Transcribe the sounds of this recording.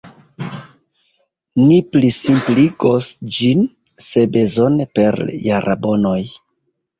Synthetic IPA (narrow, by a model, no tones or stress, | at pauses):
niplisimpliɡosd͡ʒin | se̞be̞zo̞nepe̞ɾjaɾʔabo̞no̞j